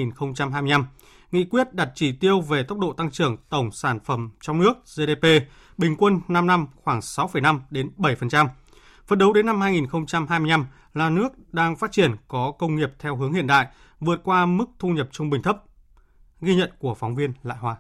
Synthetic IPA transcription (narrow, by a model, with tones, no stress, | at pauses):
i˨˩nxə˧wŋ͡mt͡ɕa˧mhɦaː˧jmi˧jna˧m | ŋḭ˧˨kwi˦˥ət̚ɗa˨˩t̚t͡ɕi˧˩t̪i˧əwve˨˩t̪ə˦˥wk͡p̚ɗo̰˧˨t̪a˧ŋt͡ɕɨ˧˩əŋt̪ə˧˩wŋ͡msaː˧˩nfə˧˩mt͡ɕɔ˧wŋ͡mnɨ˦˥ək̚ze˧ɗe˧pe˧ | ɓï˨˩ŋ̟kwə˧nːa˧mna˧mxwaː˧˩ŋsa˨˦wfə˧˩jna˧mɗe˨˦nɓə˧˩jfə˨˩nt͡ɕa˧m | fə˨˩nɗə˨˦wɗe˨˦nːa˧mhaː˧jŋi˨˩nxə˧wŋ͡mt͡ɕa˧mɦaː˧jmi˧jna˧m | laː˨˩nɨ˦˥ək̚ɗaː˧ŋfaː˦˥t̚t͡ɕi˧˩ənkɔ˨˦kə˧wŋ͡mŋi˨˩əp̚t̪ʰɛ˧wɦɨ˨˦əŋhḭ˧˨ənɗa̰ː˧˨j | vɨ˨˩ət̚kwaː˧mɨ˦˥k̚t̪ʰu˧ɲə˨˩p̚t͡ɕʊ˧ŋ͡mɓï˨˩ŋ̟t̪ʰə˦˥p̚ | ɣi˧ɲə̰˧˨nku˧˩əfɔ˨˦wŋ͡mvi˧ənla̰ː˧˨jhwaː˧